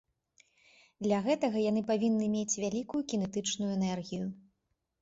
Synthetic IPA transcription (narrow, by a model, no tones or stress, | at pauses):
d̪lʲɐɣɛt̪ɐɣɐjanɨpavʲinːɨmʲet͡sʲvʲalʲikujukʲinɛt̪ɨt͡ʂnujɛnɛrɣʲiju